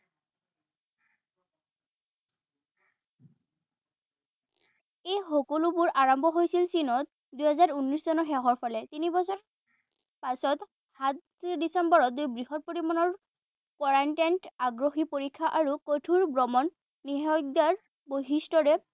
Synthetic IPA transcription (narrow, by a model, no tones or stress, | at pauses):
ejxɔkolubuɹʔaɹɔmbʱɔɦojsilsinɔt̚ | dujɦɛzaɹunɹiszɔnɔɹxɛɦɔɹpʰɔlɛt̪inibɔsɔɹ | pasɔt | hat | disɛmbɔɹɔt̚dujbɹiɦɔt̚poɹimɔnɔɹ | kɔɹantantaɡɹoxipoɹikʰːaʔaɹukotʰuɹbɹɔmɔnː | iɦɔdaɹ | boɦistɔɹɛ